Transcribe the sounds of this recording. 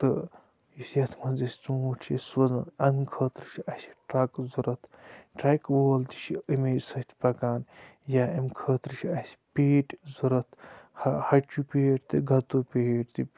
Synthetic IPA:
t̪ɨ | jisjɐt̪ʰmɐnzɐsʲi̥t͡soːʈʰt͡ʃʰisʋɐzɐnɐnkʰəːt̪ɾɨʃʰiɐsi̥ʈɾɐkzuɾɐt̪ʰʈɾɐkʋoːlt̪i̥ʃiəmeːsɐt̪ʰʲpɐkaːnjaɐmkʰəːt̪ɾɨt͡ʃʰiɐsʲi̥pʲeːʈʲzuɾɐt̪ʰhɐhɐt͡ʃupeːʈt̪ɨɡɐt̪upʲeːʈt̪i

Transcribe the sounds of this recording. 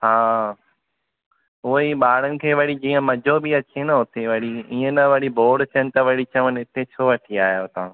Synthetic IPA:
ɦaː | ʊiɓaːɽ̤ənɪ̆kʰeːʋɐɽid͡ʑiːə̃mɐd͡ʑʱobɪɐt͡ɕenɐɦʊt̪eʋɐɽiiːə̃nɐʋɐɽibʱoːɽt͡ɕʰənɪ̆t̪ɐʋɐɽit͡ɕɐʋənɪt̪ʰet͡ɕʰoːʋɐʈʰiaːjot̪ɐ̃

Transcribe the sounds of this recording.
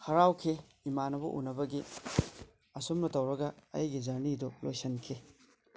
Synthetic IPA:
hɐɾawkʰe | imanɐbɐ̰ʔṵnɐbɐɡi | ɐsumnɐtɐwɾɐɡɐɐ̰jɡizɐɾnidulojsɐnkʰe

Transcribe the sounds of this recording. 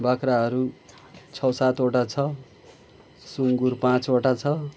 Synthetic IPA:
bakɾaɦʌɾu | t͡sʰʌwsat̪oʈat͡sʰʌ | suŋɡurpãt͡soʈat͡sʰʌ

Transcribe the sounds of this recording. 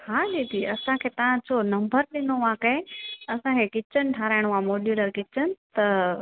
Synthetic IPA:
haːɗit̪ʰiːɐsãkʰeːt̪ɐʋ̤ãd͡ʑonɐ̃mbəɾɗɪnoʋãkɐẽɐsãkʰekɪt͡ɕənɪʈʰaːɾaːɪɽ̃oãmoːɖjuːləɾkɪt͡ɕənɪ̆t̪ɐ

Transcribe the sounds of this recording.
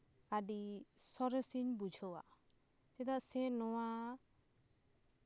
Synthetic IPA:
aɖisɔɾesiɲbud͡ʒʱɔwa̰ | t̪ɛd̪aʔsɛnɔwa

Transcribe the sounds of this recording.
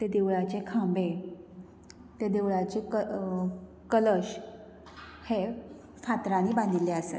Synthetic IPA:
t̪ed̪eʋɭat͡ɕekʰãmbe | t̪ed̪eʋɭat͡ɕekə | kələɕ | he | fat̪ɾaniːbãnd̪ʱileasḛ

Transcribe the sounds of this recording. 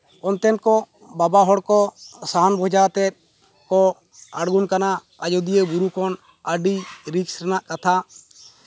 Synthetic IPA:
ɔnt̪ɛnkɔ | babaɦɔɽkɔsaɦanbʱɔd͡ʒat̪ɛ | kɔ | aɽɡunkana | ad͡ʒɔd̪ijebuɾukɔn | əɖiɾiksɾɛnaʔkat̪ʰa

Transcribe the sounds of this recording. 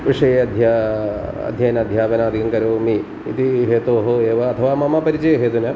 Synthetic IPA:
ʋiʂɐjeːɐd̪ʱjaː | ɐ̰d̪ʱjɐjɐnɐd̪ʱjaːpɐnɐɐd̪ʱikɐŋkɐɾoːmi | it̪iɦeːt̪oːɦoeːʋɐːt̪ʰɐʋaːmɐmɐpɐɾit͡ʃɐjɐɦeːt̪unɐ

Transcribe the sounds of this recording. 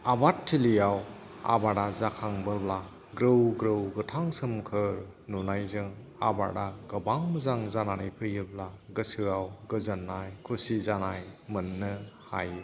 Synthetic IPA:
abatʰːilijaw | a̰baɾazakʰaŋbɯbla | ɡɾɯwɡɾɯwɡɯtʰaŋsɯmkʰɯɾ | nunajzɯŋ | a̰ba̰daɡɐbaŋmɯzaŋzananajpʰɯjɯblaɡɯsɯawɡɯzɐnːajkʰusizanajmɯnːɯha̰j

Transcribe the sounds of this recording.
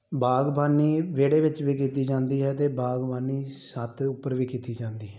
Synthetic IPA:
baːɡbaːniːʋeːɽeːʋɪt͡ʃʋiːkiːt̪iːd͡ʒãːnd̪iːɦɛːt̪eːbaːɡbaːniːsət̪ʰʊpːəɾʋiːkiːt̪iːd͡ʒãːnd̪iːɦɛː

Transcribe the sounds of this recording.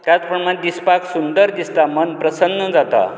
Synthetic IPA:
t̪jat͡spəɳmad̪ispaksund̪əɾd̪ist̪amənpɾəsənːəd͡zat̪a̰

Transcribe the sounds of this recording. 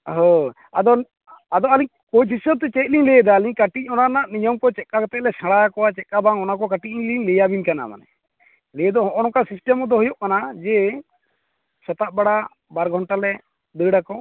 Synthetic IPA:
ɦɔ̃ | a̰d̪ɔ | ad̪ɔaliɲ | koisjɔt̪ɛt͡ʃɛt̪̚liɲlɛjəd̪aliɲkaʈicˀɔnanaʔnijɔmkɔt͡ʃɛkakɔt̪ɛʔlɛsãɽajakɔwat͡ʃɛkabaŋɔnakɔkaʈiʔiɲliɲlɛjabinkana̰ma̰nɛ̰ | lɛjəd̪ɔɔʔɔnɔkasisʈɛmɔd̪ɔɦɔjɔʔkanad͡ʒɛ | sɔt̪aʔ̚baɽa | baɾɡʱɔɳʈalɛ | d̪əɽakɔ

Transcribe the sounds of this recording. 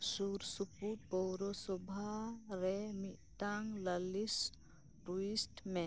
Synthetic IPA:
suɾsupuʈ̚pɔwɾɔsɔbʱaɾɛmit̪aŋləlis | ʈuisʈmẽ

